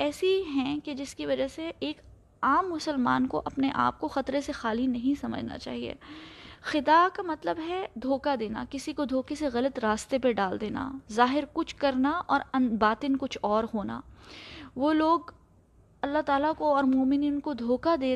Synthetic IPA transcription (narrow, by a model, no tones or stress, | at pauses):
ɛːsiɦɛ̃ked͡ʒɪskiʋɐd͡ʒəseeːk | aːmːʊsəlma̰ːnkoʔɐpneʔa̰ːp̚koxɐt̪ɾesexaːlinɐɦĩsɐmə̰d͡ʒʱna̰t͡ʃa̰ːɦiḛːxɪd̪akamɐt̪ləbɦɛd̪ʱoːkad̪eːna̰kɪsikod̪ʱoːkeseɣɐlət̪ɾaːst̪epeɖaːld̪eːna̰zaːɦɪɾkʊt͡ʃʰkɐɾnaɔːɾɐnbaːt̪ɪnkʊt͡ʃʰɔːɾɦoːna̰ː | ʋoːloːɡ | ɐlːaɦt̪aːlakoɔːɾmoːmɪniːnkod̪ʱoːkad̪eː